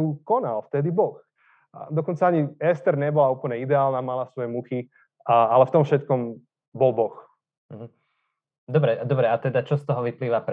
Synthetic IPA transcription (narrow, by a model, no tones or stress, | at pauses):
ukɔnalft̪ɛd̪ibɔx | d̪ɔkɔnt͡saaɲiɛst̪ɛɾɲɛbɔlauːpl̩ɲɛid̪ɛaːlnaːmalasʋɔjɛmuxi | alɛft̪ɔmfʃɛt̪kɔm | bɔlbɔx̩ | ɦ̩ | d̪ɔbɾɛd̪ɔbɾɛat̪ɛd̪at͡ʃɔst̪ɔɦɔʋipliːʋapɾ